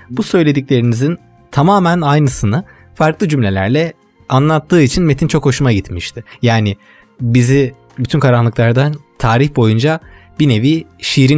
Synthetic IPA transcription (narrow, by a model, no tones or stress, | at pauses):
busø̞jlʲe̞d̪iclʲe̞ɾinizin | t̪ʰamaːmænajnɯsɯnɯ | faɾklˠɯd͡ʒymlʲe̞lʲæ̰ɾlʲɛ | anlˠat̪ʰːɯːit͡ʃʰinme̞t̪ʰint͡ʃʰo̞kho̞ʃumaɟit̪miʃt̪ʰɪjaːnɪ | bizi | byt̪ʰynkʰaɾanlˠɯklˠaɾd̪ant̪ʰaːɾiçbo̞jund͡ʒa | b̥ine̞viʃijɾi